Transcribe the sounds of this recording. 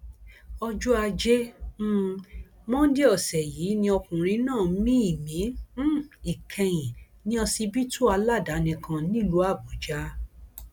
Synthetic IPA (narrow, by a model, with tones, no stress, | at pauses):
ɔ˧d͡ʒu˦a˧d͡ʒe˦ | mɔ̃˦de˦ɔ˦˨sɛ˨jiː˨˦nĩ˧ɔ˧kũ˨ɾ̃ĩ˧˦nãː˦˨˦mĩ˦i˦˨mĩ˨˦˨ | i˨kʰɛ̃˧j̃ĩ˨ | nĩ˦ɔ˧si˧bi˦tʰu˦a˧la˦˨da˨˦nĩ˧kʰã˧nĩ˦˨lu˨˦a˦˨bo˨˦d͡ʒa˦